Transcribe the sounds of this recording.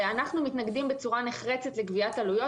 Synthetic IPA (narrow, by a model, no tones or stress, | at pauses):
anaχnumit̪naɡdimbet͡suʁaneχʁet͡set̪leɡviatalujo̞